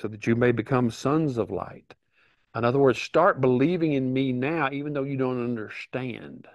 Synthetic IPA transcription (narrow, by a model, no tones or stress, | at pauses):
soʊðɨt͡ʃɨmeɪbɨkʰʌ̃msʌ̃nzʌvla̰ɪt | ə̃nʌðə˞wɜ˞dz̥stɑɹt̚b̥əlivɪ̃ŋɨ̃nminaʊivɨ̃n̩ðoʊjɨdõʊ̃ntʌ̃ndə˞stæ̃nd̥